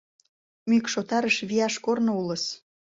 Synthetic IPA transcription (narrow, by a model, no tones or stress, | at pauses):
mykʃot̪ɑɾəʃβiɑʃkornoulɤ̆s